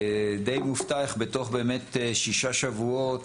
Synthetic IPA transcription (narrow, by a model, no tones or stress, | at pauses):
d̪ejmuftaaχbet̪o̞χbeːmet̪ʃiʃaʃavuot